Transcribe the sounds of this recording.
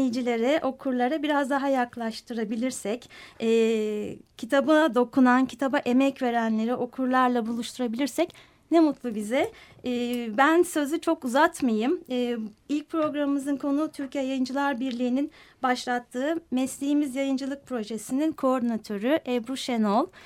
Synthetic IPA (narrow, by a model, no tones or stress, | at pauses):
jid͡ʒilʲe̞ɾɛʔo̞kʰuɾlˠaɾabiɾazd̪aɦajaklˠaʃt̪ʰɯɾabilʲiɾsɛcɛː | cʰit̪ʰabɯd̪o̞kʰunancʰi̥t̪ʰabaʔe̞mɛcve̞ɾænlʲe̞ɾiʔo̞kʰuɾlˠaɾlˠabulˠuʃt̪ʰuɾabilʲiɾsɛc | nɛmut̪lˠubizɛː | bænsø̞zyt͡ʃʰo̞kuzat̪majɯmː | ilʲc̚pʰɾo̞ɡɾamɯmɯzɯnkʰo̞nut̪ʰyɾcijɛjajɯnd͡ʒɯlˠaɾbiɾlʲiːninbaʃlˠat̪ʰːɯːmɛslʲeɦimizjajɯnd͡ʒɯlˠɯk̚pʰɾo̞ʒesininkʰoo̞ɾd̪inat̪ʰø̞ɾyʔɛbɾuʃenolˠ